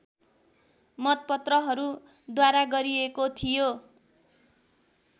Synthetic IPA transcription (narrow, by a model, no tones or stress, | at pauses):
mʌt̪̚pʌt̪rʌɦʌɾu | d̪waɾaɡʌɾiekot̪ʰijo